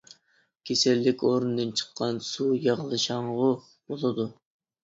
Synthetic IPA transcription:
kʲʰesɪlːɪkʲoɾund̪ɨnt͡ʃʰə̥qʰːɑnsujɑʁlˠɨʃɑɴʁʊ | b̥olˠɨd̪u

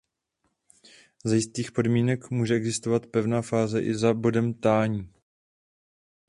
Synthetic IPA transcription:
zajɪst̪iːxpo̞dmiːnɛkmuːʒɛɛɡzɪst̪ovat̪pɛvnaːfaːzɛʔɪzabo̞dɛmt̪aːɲiː

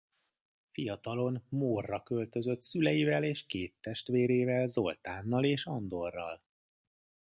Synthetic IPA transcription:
fijɒt̪ɒlo̞nmoːrːɒkø̞lt̪ø̞zø̞t̪sylɛjivɛleːʃkeːt̪ːɛʃt̪ʋeːɾeːvɛlzo̞lt̪aːnːɒleːʃɒnd̪o̞rːɒ̰l

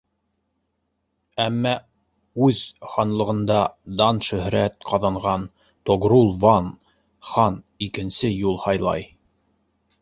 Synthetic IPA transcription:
æmːæ | ʉðχɑnlˠɤ̆ʁɤ̆nd̪ɑd̪ɑnʃɵ̆hɾæt̪qɑðɑɴʁɑn | t̪oɡrulˠvɑn | χɑn | ikɘ̆nsɘjulˠhɑjlˠɑ̰j

